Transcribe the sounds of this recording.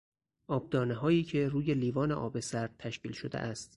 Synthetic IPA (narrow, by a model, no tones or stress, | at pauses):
ʔɒːb̚d̪ɒːneɦɒːjiːcʰe̞ruːje̞liːvɒːnḛʔɒ̰ːbe̞sæɾd̪̥̚t̪ʰæʃciːlʃod̪ḛʔæst̪